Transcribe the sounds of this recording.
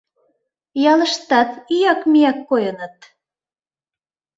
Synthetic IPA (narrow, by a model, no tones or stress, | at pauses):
jɑləʃt̪ɑt̪yjɑkmijɑkːojɤnət̪̚